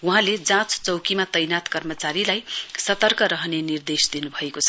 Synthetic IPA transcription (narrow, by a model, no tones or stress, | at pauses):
uɦãled͡zãt͡st͡sʌwkimat̪ʌjnat̪kʌrmʌt͡saɾilajsʌt̪ʌrkʌɾʌɦnenird̪esd̪inubʱʌekot͡sʰʌ